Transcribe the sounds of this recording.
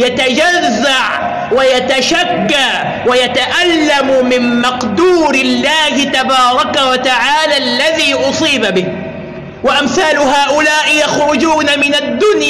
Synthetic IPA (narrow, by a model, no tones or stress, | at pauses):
jat̪ad͡ʒazːaʕ | wajat̪aʃakːa | wajat̪aʔalːammɪmmɑqd̪uːɾɪlːaːhɪt̪abɑːɾˤɑkawat̪aʕaːlaːlːaðiːʔʊsˤiːbabɪh | waʔamθaːlʊɦaːʔʊlaːʔɪjaxɾʊd͡ʒuːnamɪnad̪ːʊnj